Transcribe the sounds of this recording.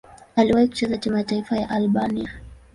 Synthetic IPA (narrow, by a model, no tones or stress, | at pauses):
aliwaiku̥t͡ʃɛzat͡ʃamaataifajaʔalɓania